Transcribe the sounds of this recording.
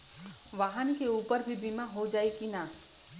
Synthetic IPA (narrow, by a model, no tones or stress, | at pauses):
ʋaːɦənkeuːpəɾbʱibʱimãɦod͡ʒaːekinã